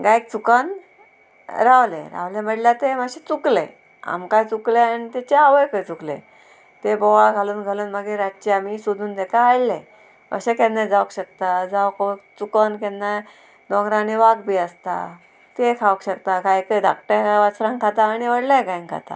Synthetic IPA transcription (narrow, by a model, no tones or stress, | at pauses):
ɡajk̚t͡sukan | ɾawlḛ̃ɾa̰ʋlaməɽljat̪eməɕet͡suklḛ | a̰mkajt͡sukleañit̪ɛt͡ɕeaʋəjkəjt͡suklḛ̃ | t̪ebɔʋaɡʱaluːnɡʱaluːnməɡeɾat̪̚t͡ɕeamisud̪ʱuːnt̪ekaɦajle | ə̰ɕekenːãd͡zaʋkɕək̚t̪ad͡zaʋkkt͡sukənkɛnːa | d̪ɔ̃ŋɡɾãniʋaɡbiəst̪a̰ | t̪ekʰaʋəkɕəkt̪aɡajkəd̪ak̚ʈəʋat͡sɾãŋkʰat̪aːñiʋəɽlãɡajŋkʰa̰t̪a̰